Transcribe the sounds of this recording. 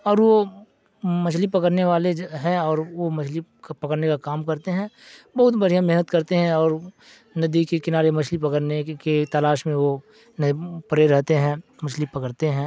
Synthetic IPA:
ɔːɾʋo | mɐt͡ʃʰlipɐkəɾneʋaːleɦɛ̃ɔːɾʋomɐt͡ʃʰlikpɐkəɾnekakaːmkɐɾt̪eɦɛ̃ːbɐɦʊt̪bɐɽijamɛɦnət̪kɐɾt̪eɦɛ̃ɔːɾ | nɐd̪ikekɪnaːɾemɐt͡ʃʰlipɐkəɾneket̪alaːʃmẽʋo | npɐɾeɾɛɦt̪eɦɛ̃ːmɐt͡ʃʰlipɐkəɾt̪eɦɛ̃ː

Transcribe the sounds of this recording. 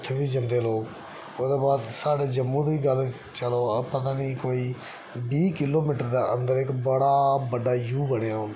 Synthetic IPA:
t̪ʰːbiːd͡ʒənd̪eːloːk | oːd̪eːbaːd̪saːɖeːd͡ʒəmːũːd̪iːɡəl | t͡ʃəloːəpət̪̬aːniːkoːiː | biːkɪloːmiːʈəɾd̪aːə̰nd̪əɾɪkbəɽaːbəɖaːjuːbəɽ̃ejaː

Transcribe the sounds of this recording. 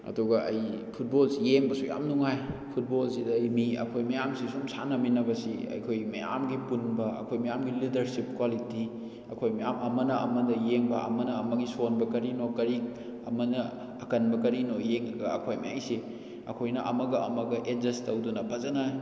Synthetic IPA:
ɐ̰duɡɐʔɐjpʰut̚bolsijeŋbɐsuja̰mnuŋajpʰut̚bolsidɐɐjmiɐ̰kʰojmɐjamsisumsʰanɐminɐbɐsḭɐ̰jkʰojmɐ̰ja̰mɡipunbɐɐ̰kʰojmɐjamɡilidɐɾsip̚kwaliti | ɐkʰojmɐjamʔɐmɐnɐɐmɐdɐjeŋbɐʔɐ̰mɐnɐːmɐɡisonbɐkɐɾinokɐɾik̚ | ɐ̰mɐnɐ | ɐkɐnbɐkɐɾinojeŋɐɡɐɐkʰojma̰a̰jsi | ɐ̰kʰojnɐʔɐ̰mɐɡɐʔɐmɐɡɐʔed͡ʒɐstɐwdunɐbʰʱɐzɐnaj

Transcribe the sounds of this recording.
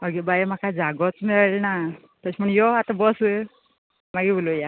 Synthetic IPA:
ɔɡibajmakʰad͡zaɡɔt͡smɛɭalna | t̪əsʰimʰəɳjɔat̪abɔs | maɡibuloja

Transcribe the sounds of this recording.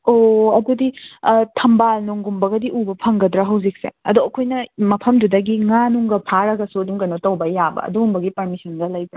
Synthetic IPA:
oɐduditʰɐmbalnuŋɡumbɐɡɐdiʔubɐpʰɐŋɡɐdɾɐɦɐwzik̚sḛɐdoɐkʰojnɐmɐpʰɐmdudɐɡiŋanuŋɡɐpʰaɾɐɡɐsuɐduŋkɐnotɐwbɐjabɐ̰ɐ̰duŋumbɐɡipɐɾmisɐnɡɐlɐjbɾa

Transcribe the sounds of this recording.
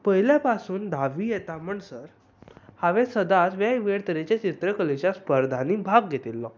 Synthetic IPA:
pəɦiljapasuːnd̪aʋiːjɛt̪am̤əɳsəɾ | haʋɛ̃səd̪asʋjaiʋeɽt̪əɾet͡ɕjat͡ɕit̪ɾəkəlit͡ɕaspəɾd̪ʱaniːbʱaɡɡʱet̪ilːɔ

